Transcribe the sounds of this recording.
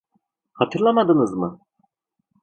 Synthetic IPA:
hat̪ʰɯɾlˠamad̪ɯnɯzmɯ

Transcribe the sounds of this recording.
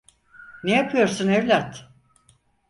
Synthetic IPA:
nejapʰɯjo̞ɾsunevlʲat̪

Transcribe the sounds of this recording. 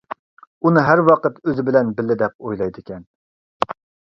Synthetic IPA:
unɨɦæɾwɑqət̪øzɪbɪlɛnbɪlːɪd̪ɛp̚ojlˠɑjd̪ɪkʲʰɛn

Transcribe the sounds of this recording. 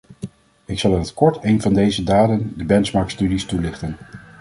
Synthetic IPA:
ɪksɑlˠanətkɔɹtejnvɑndejzədaːdəndəbɛnsmɑɹkstydistulɪχtən

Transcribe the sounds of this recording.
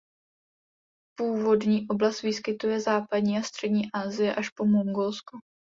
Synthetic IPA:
puːvo̞dɲiːʔo̞blast̪vɪskɪt̪ujɛzaːpadɲiːast̪r̝̥ɛdɲiːʔaːzɪjɛʔaʃpo̞moŋɡolsku

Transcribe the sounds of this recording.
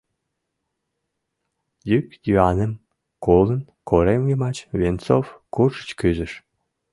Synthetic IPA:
jykj̪yɑnəm | kolˠə̆n | kʰoɾemjimɑt͡ɕvʲent͡sofkurʒə̥t͡ɕkyzɘ̆ʃ

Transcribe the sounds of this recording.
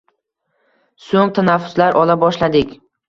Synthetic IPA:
soŋt̪ʰanafːʊ̥slaɾʔɒlabɒʃlad̪ɪkʲ

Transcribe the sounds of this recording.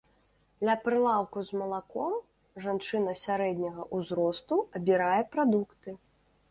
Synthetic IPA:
d̪lʲɐpɾɨlˠawkuzmɐlˠakɔm | ʐant͡ʂɨnɐsʲaɾɛd̪ʲnʲɐɣɐʔuzɾɔst̪uɐbʲiɾajɛpɾad̪ukt̪ɨ

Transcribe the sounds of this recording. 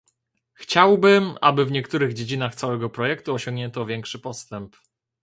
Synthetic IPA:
xt͡ɕawbɘma̰bɘvɲɛkt̪uɾɘɣd͡ʑed͡ʑinaxt̪sawɛɡɔpɾɔjɛkt̪uɔɕɔŋɡɲɛnt̪ɔvʲjɛŋkʂɘpɔst̪ɛmp

